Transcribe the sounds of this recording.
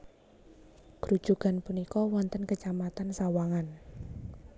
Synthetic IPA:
kɾu̥ʒ̥ṳka̤npunikɔwɔnt̪ənkət͡ʃamat̪ansawaŋan

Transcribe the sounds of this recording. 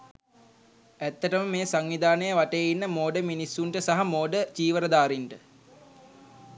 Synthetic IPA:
æt̪ːəʈəməmeːsaŋʋid̪aːnəjəʋaʈejəinːəmoːɖəminisːuɳʈəsaɦamoːɖət͡ʃiːʋəɾəd̪aːɾiɳʈə

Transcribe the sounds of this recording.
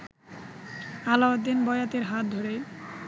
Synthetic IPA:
alawad̪inbɔjat̪eɾɦat̪̚d̪ʱoɾe

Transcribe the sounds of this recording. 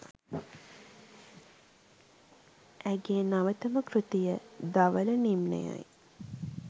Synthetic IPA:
ʔæɡejnaʋət̪əməkɾut̪ijəd̪aʋələnimnḛja̰j

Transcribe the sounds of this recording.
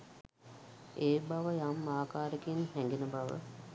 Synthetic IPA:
eːbaʋəjamːaːkaːɾekinhɛŋɡenəbaʋə̰

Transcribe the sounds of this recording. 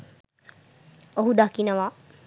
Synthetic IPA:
oɦud̪akinɐʋa

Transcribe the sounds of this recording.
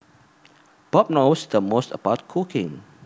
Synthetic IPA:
b̥ɔp̚nosd̪əmostəbaʊt̚kʰukɪ̃ŋ

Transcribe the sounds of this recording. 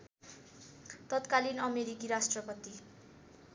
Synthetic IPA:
t̪ʌt̪kalinʌmeɾikiɾasʈrʌpʌt̪i

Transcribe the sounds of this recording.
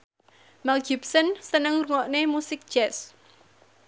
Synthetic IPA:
mɛlɡipsənsənəŋruŋɔʔnemusɪk̚d̥ʒ̥ɛs

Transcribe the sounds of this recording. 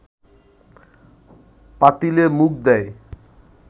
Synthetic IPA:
pat̪ilemuk̚d̪ɛe

